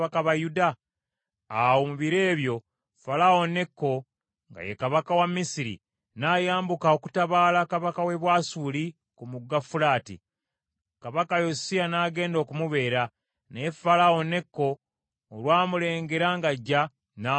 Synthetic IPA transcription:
akaβajudaː | womuβiɾe̞ːβjo̞ | falao̞ne̞kːo̞ | ŋɡa̰jekaβakawamːisiɾḭ | naːjaːmbukaoku̥taβaːlakaβakawe̞βwaːsuːli | kumuɡːafuɾaːtḭ | kaβakajosianaːɡe̞ːndo̞ːkumuβe̞ːɾa | nefalao̞ne̞kːo̞ː | lwaːmule̞ːŋɡe̞ɾaŋɡaɟːa | na

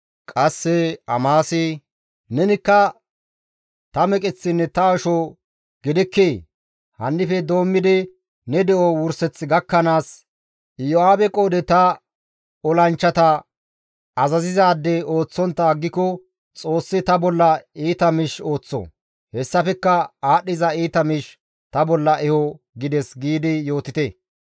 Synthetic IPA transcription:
kʼɐsːɛɐ̰maːsɪ | nɛnɪkːɐ | t̪ɐmɛkʼɪt͡sːɪnːɛt̪ɐɔʃɔ | ɡ̥ɪd̪ɪkːeː | hɐnːɪfɛd̪o̞ːmːɪd̪ɪ | nɛd̪ɛʔɔwʊɾsɛt͡sːɪɡɐkːɐnaːs | jɔaːbɛkʼoːd̪ɛt̪ɐ | ɔlɐnt͡ʃːɐt̪ɐ | ɐzɐzɪzaːd̪ːɛo̞ːt͡sːɔnt̪ːɐɡːɪkɔ | t͡sʼo̞ːsːɪt̪ɐbɔlːɐiːt̪ɐmɪʃo̞ːt͡sːɔ̰ | hɛsːɐfɛkːɐaːɗːɪzɐiːt̪ɐmɪʃ | t̪ɐbɔlːɐʔɛhɔ | ɡɪd̪ɛsɡiːd̪ɪjo̞ːt̪ɪt̪e

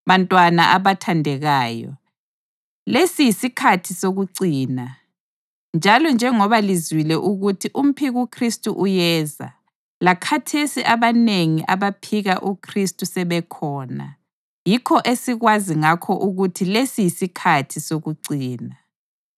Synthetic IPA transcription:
βantʼwana̰ʔaβatʰandʱɛɣaːjɔ̰ | lesijisikʰatʰisoɣuǀiːna | nd͡ʒʱalɔnd͡ʒʱɛŋɔβalizwilɛʔuɣutʰiʔum̩pʰiɣukʰristʼuʔujɛːza̰ | lakʰatʰesiʔaβaneŋiʔaβapʰiɣaʔukʰristʼusɛβɛkʰɔːna̰ | jikʰɔʔesiɣwaziŋakʰɔʔuɣutʰilesijisikʰatʰisoɣuǀiːna

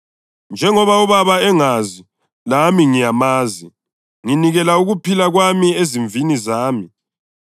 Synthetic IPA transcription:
nd͡ʒʱɛŋɔβauβaβaɛŋazi | lamiŋijamaːzi | ŋiniɣɛlauɣupʰilaɣwamieziɱvinizaːmi

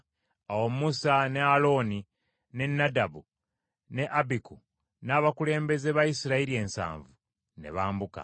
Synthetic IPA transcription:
awommusane̞alo̞ːni | ne̞nːadabu | ne̞ʔabiku | naːβakule̞ːmbe̞zeβajisiɾaiɾie̞ːnsa̰ːɱvu | ne̞̰βaːmbuka̰

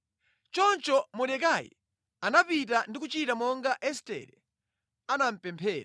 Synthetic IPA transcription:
t͡ʃɔnt͡ʃɔmuɗɛkajḭ | anapit̬andikut͡ʃitamɔŋɡaʔɛstɛ̰ɾɛ | anam̩pɛmpʰɛːɾa

